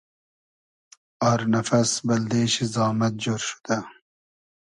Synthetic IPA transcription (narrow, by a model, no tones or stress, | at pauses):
aːɾnɐfɐsbɐld̪eːɕizɑːmɐt̪̚d͡ʒoɾʃu̥d̪̥a